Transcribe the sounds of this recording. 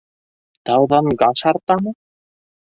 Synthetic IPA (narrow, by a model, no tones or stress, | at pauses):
t̪awðankasaɾt̪ana